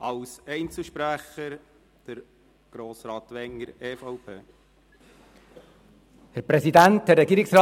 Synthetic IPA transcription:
ɑwsɛɪnt͡sl̩ʃpɾæχəɾ | d̥əɾ | ɡ̥ɾoːsɾɑːtʋɛŋəɾeːfɑʊpʰeː | hæɾpɾɛsidænthæɾrːɛɡiːɾɪksrɑː

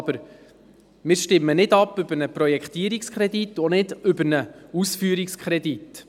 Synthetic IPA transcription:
b̥əɾ | mɪːɾʃtɪmːənɪdɑpːʏb̥ənəprɔjɛkχt̪iəɾikskʰχɾɛdit̪ːonɪdʏbəɾnəusfyːɾikskʰχɾɛd̪it

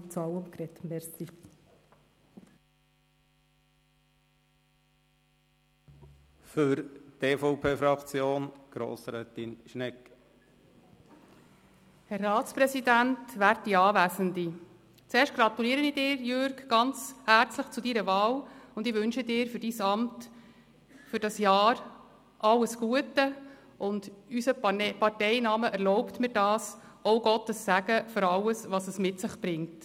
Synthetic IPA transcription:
t͡sɑwəmkɾɛt̪mɛɾsi | fʏɾteːfɔʊpʰeːfɾɑkt͡sjoːnɡ̥ɾo̰ːsɾɛːt̪inʃnɛk | hɛrːɑːtt͡spɾɛsid̪æntʋæːɾt̚diɑːʋæsənd̪i | t͡seːɾʃt̚ɡ̥ɾɑt̪uliːəɾənidɪːɾjøɾɡɡ̥ɑnt͡shæɾt͡sləχt͡sudiɾəʋɑːlʊnd̪ɪːʋɵnʃədɪːɾfʏɾd̥iːsɑmt | fʏɾd̥ɑsjɑːɾ | ʔɑlːəsɡ̥uətə | ʊnd̥ysəpɑrtɛɪnɑːməʔɛɾlɔʊptmɪːɾd̥ɑːsɔʊɡɔtəsːæɡəføɾɑləsʋɑsəsmɪtsɪχb̥ɾɪŋt

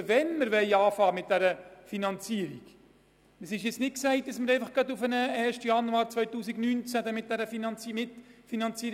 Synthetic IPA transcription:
vɛnməɾvɛɪɑːfɑːmɪt̚d̥æɾəfinɑnt͡siəɾḭk | əsɪʃɪt͡snɪt̚ksɛɪt̚d̥ɑsməɾɛɪfɑχɡ̥ɑdʊfənəɛːɾʃtəjɑnuɑːɾt͡svœʏtuːsiɡnynt͡sæd̪ɛmɪt̚d̥æɾəfinɑnt͡simɪtfinɑnt͡siːɾ

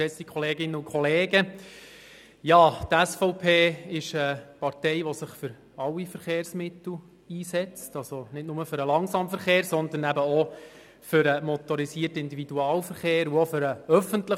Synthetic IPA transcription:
ɛsikχɔleːɡɪnːəukʰχɔleːɡə | jɑːt̪æsfɔʊpʰeːɪʃəpɑrtɛɪʋɔsɪχfʏɾ | ɑlwːifəɾχeːɾsmɪt̪l̩ | iːsɛt͡stɑlsonɪtnʊməfʏɾəlɑŋsɑːmfəɾχeːɾsɔnd̪ənæbəɔ | fʏɾəmɔt̪ɔɾisiːrtəɪnd̪ividuɑːlfəɾχeːɾuofʏɾəœfəntlə

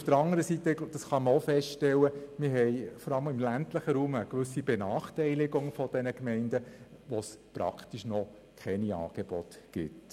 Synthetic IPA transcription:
ufd̥əɾɑŋəɾəsitəd̥ɑsχɑməofɛstʃtɛlːəmɪɾɦɛɪjfɔɾɑləmɪmlæntləχəɾuːməkʋʏsːibɛnɑːχtɛɪlɪɡʊŋfɔd̥ɛnəkmɛɪndə | ʋospɾɑ̰kt̪iʃnɔ | kʰχɛniɑ̰ːɡ̥eb̥ɔt̪ɡ̥ɪ̰t

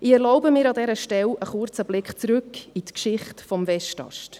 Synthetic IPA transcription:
ɪɛɾlɔʊbəmɪːɾɑdɛɾəʃtɛləχʊrt͡səb̥lɪkχt͡sɾɵkːit̪kʃɪχtfɔmvɛʃtɑ̰ʃt

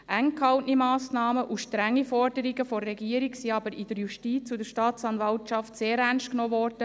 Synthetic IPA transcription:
ʔæŋkhɑwtnimɑːsnɑːməʔuʃtɾæŋːifɔrdəɾiɡəfɔrːɛɡiːəɾiksiɑbəɾɪd̥̪əɾjuʃtiːt͡sudəɾʃtɑːtt͡sɑnvɑltt͡ʃɑftseːɾænʃtknɔːvɔrd̥ə

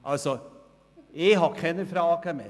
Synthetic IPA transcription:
ʔɑlsɔ | eɦɑkʰɛnəfɾɑɑkʰɑɛmɛ̰

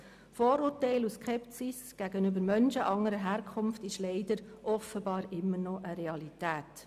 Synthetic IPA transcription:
foːɾʊːɾtɛɪluskʰɛpsisɡ̥æɡənʏbəɾmœnʃəʔɑŋːəɾəɦæːɾkʰχʊmftɪʃlɛɪd̥əɾʔɔfəbɑːɾɪmːəɾnɔʔəɾɛɑlitæːt

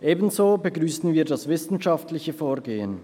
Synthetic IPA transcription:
ʔeːbən̩zoːbəɡʁyːsn̩viːɐdasvɪsn̩ʃaftlɪçəfoːʁɡeːən

